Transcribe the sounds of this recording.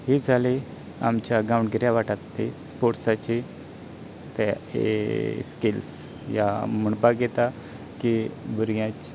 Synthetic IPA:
ɦid͡zʱali | a̰mt͡ɕaɡawɳɖɡəɾjaʋaʈat̪ːespoɾʈsat͡ɕi | t̪ḛskils | jaməɳbaɡet̪a | kibəɾɡjãt͡ɕ

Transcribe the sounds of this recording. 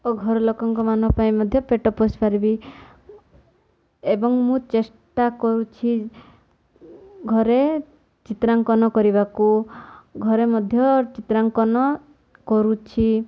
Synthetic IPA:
oɡʱɔɾɔlokɔŋkɔmanɔpaĩmɔd̪ʱjɔpeʈɔpospaɾibi | ebɔŋmũt͡ʃesʈakɔɾut͡ʃʰi | ɡʱɔɾe | t͡ʃit̪ɾaŋkɔnɔkɔɾibakuɡʱɔɾemɔd̪ʱjɔt͡ʃit̪ɾaŋkɔnɔ | kɔɾut͡ʃʰi

